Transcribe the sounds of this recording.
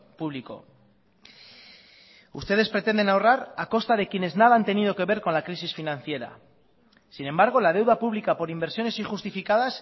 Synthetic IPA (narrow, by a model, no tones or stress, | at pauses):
puβ̞liko̞̰ | ṵst̪e̞ð̞espɾe̞t̪e̞nd̪e̞nawraɾako̞st̪að̞e̞kje̞ne̞znaðaant̪e̞nið̞o̞ke̞βe̞ɾko̞nlakɾisisfinãn̟θje̞ɾa̰ | sine̞mbaɾɣ̞o̞lað̞e̞wðapuβlikapo̞ɾimbeɾsjo̞ne̞siŋxust̪ifikaðas